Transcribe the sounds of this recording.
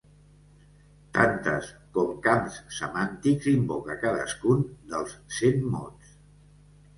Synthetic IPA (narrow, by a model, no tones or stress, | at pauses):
t̪ant̪ə̰skɔmkamssəmant̪ikzimbokəkaðə̰skund̪əlˠssenmɔ̰ns